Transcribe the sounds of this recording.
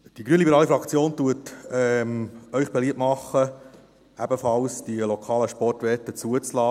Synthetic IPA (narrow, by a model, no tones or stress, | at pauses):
d̥iɡɾyənlibɛɾɑːlifɾɑkt͡sjoːntuətɛmœʏχb̥ɛliəptmɑχːə | æbəfɑlsd̥iəlokʰɑːləʃpɔrtʋɛtːət͡suət͡slɑː